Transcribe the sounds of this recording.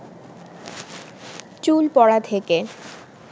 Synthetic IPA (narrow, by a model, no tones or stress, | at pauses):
t͡ɕulpɔɽat̪ʰeke